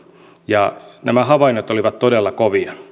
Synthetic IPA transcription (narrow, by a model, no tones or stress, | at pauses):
jɑnæmæhɑʋɑinot̪oliʋɑt̪t̪odelːɑkoʋiɑ